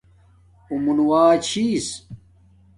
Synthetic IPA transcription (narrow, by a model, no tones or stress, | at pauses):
umunwaːt͡ɕʰiːs